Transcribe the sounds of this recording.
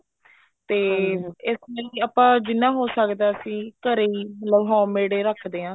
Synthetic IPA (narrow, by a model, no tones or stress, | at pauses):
t̪eːɪsmeliːaːpãːd͡ʒɪnːãːɦoːsəkd̪aːəsĩːkəɾeːiːməlləbɦɔ̃ːmeːɽeːɾəkʰd̪eːãː